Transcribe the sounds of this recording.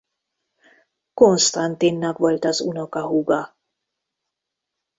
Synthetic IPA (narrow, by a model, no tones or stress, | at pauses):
ko̞nst̪ɑnt̪inːɒkʋo̞lt̪ɒzuno̞kɒɦuɡɒ